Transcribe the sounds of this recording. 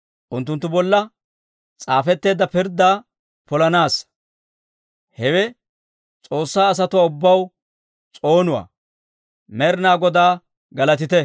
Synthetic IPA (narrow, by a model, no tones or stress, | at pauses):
ʔʊnt̪ːʊnt̪ːʊbɔlːɐ | t͡sʼaːfɛt̪ːe̞ːd̪ɐpɪɾd̪aː | pɔlɐnaːs | hɛwɛ | t͡sʼo̞ːsːaːɐs̬ɐt̪ʊwaːʊbːɐw | t͡sʼo̞ːnʊwa̰ː | mɛɾɪnaːɡɔd̪aː | ɡɐlɐt̪ɪt̪ɛ